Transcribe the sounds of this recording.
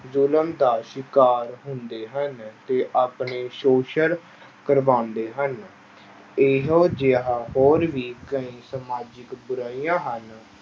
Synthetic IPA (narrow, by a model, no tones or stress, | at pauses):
zʊləmd̪aːʃɪkaːɾɦʊnd̪eːɦənt̪eːʔaːpɳeːʃoːʃəɾ | kəɾʋãːnd̪eːɦən | eɦoːd͡ʒeːɦãːɦoːɾʋiːkəĩːsəmaːd͡ʒɪkbʊɾaːiːjãːɦən